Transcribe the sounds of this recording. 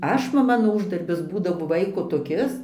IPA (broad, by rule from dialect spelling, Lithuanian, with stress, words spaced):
ˈɐʃ nʊ ˈmɑːnoː ˈuːʒdɐrʲbʲɪs ˈbuːdɐʋoː ˈʋɐɪkoː toːˈkʲɪs